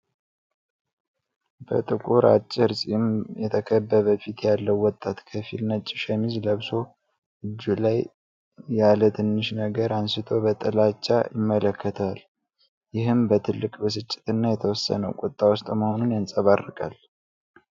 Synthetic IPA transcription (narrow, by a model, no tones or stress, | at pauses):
b̥ə̰t̪ʼɨkʼuɾa̰t͡ʃʼːɪɾsʼimjɛt̪ʰəkʰəbːəβəfit̪ʰjalːəwːɔt̪ʼːat̪kʰəfḭlnət͡ʃʼːɪʃɛmizləβso̞ | ʔɨd͡ʒːulajː | alət̪ʰɨnːɨʃnəɡəɾansɨt̪ʰo̞bət̪ʼəlat͡ʃːa̰jɪmːələkːət̪ʰal | jɪɦɨmbət̪ʰɨlːɨkʼbəs̬ɨt͡ʃʼːɪ̥t̪ɨnːajɛt̪ʰəwɔsːə̰nəwkʼut̪ʼːawʊst̪ʼməhonunjansʼəβarːɨkʼa̰l